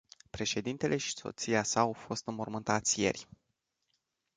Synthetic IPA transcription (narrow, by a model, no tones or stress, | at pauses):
pɾe̞ʃe̞d̪int̪e̞lʔe̞ʃi̥so̞̰t̪siasaːwfo̞st̪ɨmormɨnt̪at̪sʲje̞̰rʲ